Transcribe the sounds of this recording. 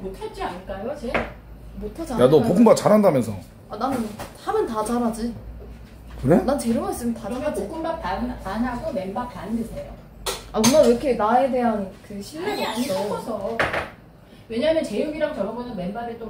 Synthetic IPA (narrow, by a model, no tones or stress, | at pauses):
motʰet̚t͡ɕ͈ianɯɭk͈ajot͡ɕe | motʰad͡ʑajanʌpoɡɯmbak̚t͡ɕaɾandamjʌnsʰʌ | ananɯnhamjʌntat͡ɕaɾɦad͡ʑi | kɯɾenant͡ɕe̞ɾɯmaɭs͈ɯmjʌntamʌnpoɡ͈ʰɯmbak̚tantanɦaɡome̞nbak̚tandɯsʰejo | aunaɾʌkʰenae̞de̞ɦankɯɕʰiɭːeɡaiʌʌsʰʌ | we̞ɲamjʌnt͡ɕejuɡiɾaŋt͡ɕʌɾʌbonʌnme̞nbaɾet͈o